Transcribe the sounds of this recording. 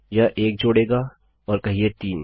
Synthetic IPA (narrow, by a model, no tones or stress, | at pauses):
jɐʔeːk̚d͡ʒoːɽeːɡa | ɔːɾkɐɦiet̪iːn